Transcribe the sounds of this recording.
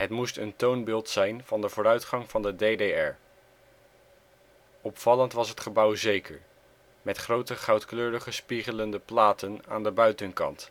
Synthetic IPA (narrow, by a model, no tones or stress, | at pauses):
ɦətmustəntownbɪːlˠtsɛjnv̥ɑndəvʊːɾœɥtχɑŋvɑndədejdeɛɹ | ɔpfɑləntʋɑsɦətχəbʌwzejkəɹ | mɛtχrowtəχɑwtkløːɾəχəspiχələndəplaːtəna̰ːndəbœɥtənkɑ̰nt